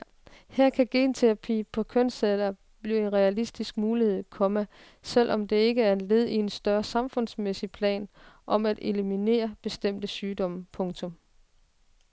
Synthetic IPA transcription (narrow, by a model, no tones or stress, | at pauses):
hæɐ̰kʰæɡ̥e̝̰ːnt͡sʰeɑpʰḭːpʰɒ̽kʰøn̰selɐ | b̥lie̝nʁɛælisd̥isɡ̥̚muːlihe̝ð̞̰ˠkʰɒ̽mə | sel̰ʔɒ̽md̥e̝e̝ɡ̥əæɐe̝nle̝ð̞̰ˠie̝nsd̥ɶɐsɑ̈mfɔ̽n̰smesipʰlɛ̰ːnʔɒ̽mæd̥e̝limine̝̰ːɐb̥e̝sd̥em̰d̥əsyːd̥ɒ̽m̰pʰɔ̽ŋt͡sʰɔ̽m